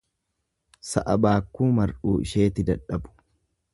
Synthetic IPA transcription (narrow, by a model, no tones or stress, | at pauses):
sɐ̰ʔɐbaːkːuːmɐɾʔuːɪ̰ʃe̞ːt̪ɪd̪ɐᶑɐbʊ̥